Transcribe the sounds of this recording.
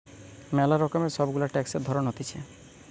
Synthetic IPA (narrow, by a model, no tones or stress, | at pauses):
mɛlaɾɔkɔmeɾsɔbɡulaʈɛkseɾd̪ʱɔɾɔnɦot̪it͡ɕʰe